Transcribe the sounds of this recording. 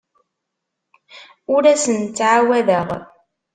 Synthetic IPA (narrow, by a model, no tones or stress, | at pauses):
ʊɾæsənt͡st͡sːʕawæðəʁ